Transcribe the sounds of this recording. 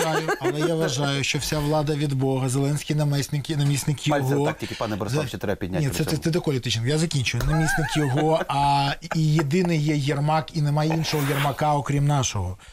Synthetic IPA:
ajʊɐɐlˠɛjaʋʋɐʒɑjʊʃt͡ʃɔwsʲaʋlˠɑd̪ɐʋʲid̪bɔɦɐzelˠɛnʲsʲkʲɪjnɐmɛsʲnɪkinɐmʲisʲnɪkjɔɦɔtikɪpɑnɛbɐɾzt͡ʃɛt̪ɾɛbɐpʲid̪̚ʲnʲanʲɛt̪sɛɛɛd̪ɐkɔlʲɪt̪ɪt͡ʃnɪkjazɐkʲinʲt͡ʃʊjnɐmʲisʲnɪkjɔɦɔɐijed̪ɪnɪjjɛjɐrmɑkinemajɛinʃɔɦɔjɐrmɐkɑɔkɾʲimnɑʃɔɦɔ

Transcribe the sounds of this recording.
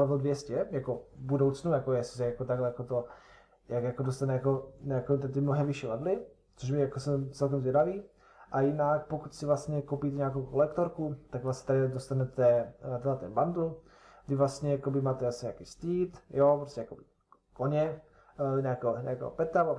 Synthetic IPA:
ɛvodvjɛscɛjakovbudowt͡snujakojɛsɪ̥s̬ɛjakot̪aɡlɛjakot̪o | jakjakodost̪anɛjakoɲaakot̪ɛt̪ɪmnoɦɛmvɪʃiladlɪ | t͡soʃmɪjakosɛmt͡sɛlkɛmzvjɛdaviː | ʔajɪnakpokut̪sɪvlast̪ɲɛkopiːt̪ɛɲakowkolɛkt̪oɾkut̪aɡvlast̪ɲɛ̥t̪adɪdost̪anɛt̪ɛt̪ɛlat̪ɛnband̪ul | dɪvlast̪ɲɛjakobɪmaːt̪ɛasɲɲaːkiːst̪iːt̪jopɾoscʲɛjakobɪ | koɲɛ | ɲaːkɛoɲa̰ːkɛ̰o̰pɛt̪ava

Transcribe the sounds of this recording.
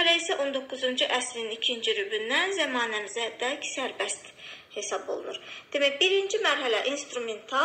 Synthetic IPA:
ɾæisæʔo̞nd̪o̞kʰːuzund͡ʒuʔæslinicʰind͡ʒiɾybynːænzæmɑːnæmizæd̪æcsæɾbæst̪ | he̞sɑbo̞̰lˠṵnuɾd̪̥emæjbiɾind͡ʒimæɾɦælæʔinst̪ɾument̪ʰɑ

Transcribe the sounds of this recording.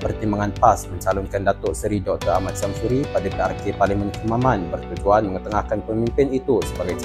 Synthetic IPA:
pərt̪imbaŋanpasməɲt͡ʃalʊnkandat̪ɔʔsəɾidɔk̚t̪ɔra̰mat̪̚samsuɾipadapearkepaliŋmənkəmamanbərt̪ud͡ʒuanməŋət̪əŋahkanpəmimpɪnit̪usəbaɡajt͡ʃ

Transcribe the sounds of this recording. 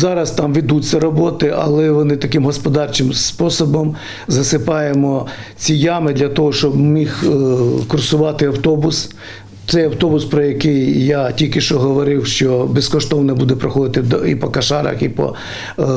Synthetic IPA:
zɑɾɐst̪ɑmʋʲid̪ut͡sʲːɐɾɔbɔt̪ɪʔɐ̰lˠɛʋɔnɪt̪ɐkɪmɦɔspɔd̪ɑrt͡ʃɪmspɔsɔbɔm | zɐsɪpɑjemɔt͡sʲijamɪd̪lʲɐt̪ɔɦɔʃt͡ʃɔbmixkʊrsʊʋɑt̪ɪɐwt̪ɔbʊs | t̪sɛjɐwt̪ɔbʊspɾɔjɐkɪjːatʲilʲkɪʃt͡ʃɔɦɔʋɔɾɪwʃt͡ʃɔbɛskɔʃt̪ɔwnɛbud̪ɛpɾɐxɔd̪ɪt̪ɪipɔkɐʃɑɾɐ̰xipɔ̰

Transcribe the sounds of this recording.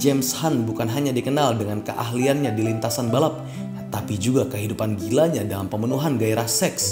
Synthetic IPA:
d͡ʒɛmshanbukanɦaɲadikənaldəŋankə̰ʔa̰ɦlianɲadilint̪asanbalap̚ | t̪apid͡ʒuɡakəɦidupanɡilaɲadalampəmənuɦanɡaiɾahsɛks

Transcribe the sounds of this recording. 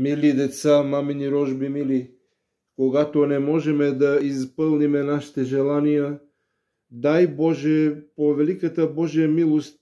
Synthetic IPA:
milid̪ɛt̪samaminiɾoʒbimili | koɡat̪onemoʒɛmed̪aispəlˠnimenaʃt̪eʒelanija | d̪ajboʒɛpoʋelikat̪aboʒemilˠost̪

